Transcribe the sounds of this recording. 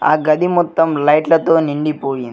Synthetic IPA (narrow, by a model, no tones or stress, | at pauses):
aːɡɐd̪imɔt̪ːɐmlɐjʈlɐt̪oːniɳɖipoːjind̪i